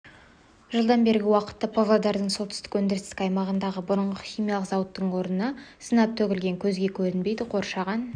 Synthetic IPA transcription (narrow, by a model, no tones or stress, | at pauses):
ʒəlˠd̪ɑnbe̞ɾɪɡʲɪwɑqə̥t̪ːɑpʰovlˠod̪ɑɾd̪əɴso̞lt̪ʰʏ̥st̪ɪkwɵnd̪eɾɪst̪ɪkɑjmɑʁənd̪ɑʁəbʊɾəɴʁəχʲijmijɑlˠəqzɑwət̪ːəɴwo̞ɾnənɑsənɑp̚t̪ʰɵkʲɪlɡʲe̞ŋkʲʰɵzɡʲe̞kʲʰɵɾɪnbe̞jd̪ɪqʰo̞ɾʃɑʁɑn